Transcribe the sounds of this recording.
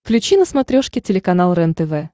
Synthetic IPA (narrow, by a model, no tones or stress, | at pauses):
klʲʉt͡ɕinəsmɐt̪ɾʲoʂkʲɪtʲɪlʲɪkɐn̪alˠɾɛnt̪ɛvɛ